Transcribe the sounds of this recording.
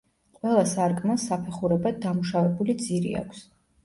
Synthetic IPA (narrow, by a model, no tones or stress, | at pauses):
qʼwɛlˠasaɾɡʼmasːapʰɛχuɾɛbad̪̚d̪ːamuʃavɛbulid̪ziɾḭa̰kʷʰs